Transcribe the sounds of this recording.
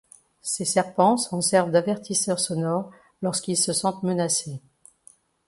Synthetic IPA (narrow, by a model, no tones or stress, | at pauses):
sesɛʁpɑ̃sɔ̃sɛʁvd̪avɛʁt̪ʰisœʁsɔnɔʁ | lɔʁskilsəsɑ̃t̪mənase